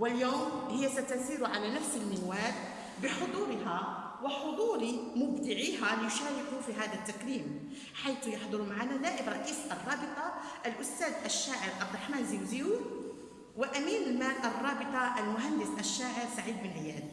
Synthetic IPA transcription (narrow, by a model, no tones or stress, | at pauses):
wɪljoːmhɪjːasæt̪asiːɾʊʕalanafsɪlmɪnwaːt̪ | bɪħʊd̪ˤuːɾɦa | wɪħʊd̪ˤuːɾimʊbd̪ɪʕiːɦalɪjʊʃaːɾɪkufiɦaːd̪at̪ːaqliːm | ħajt̪jɑħd̪ˤʊɾmaʕananaːʔɪbɾˤɑʔiːsʔɑrˤːɑːbɨt̪ˤɑʔælʔʊst̪æːd̪ʔæʃːaːʕɪɾʔɑb̚d̪ɾˤɑħmaːnzilzijuː | wɪʔæmiːnɪlmæːlʔɑrˤːɑːbɨt̪ˤɑʔalmʊɦand̪ɪsʔæʃːaːʕɪɾsaʕiːd̪̚bɪnʕɪjæːl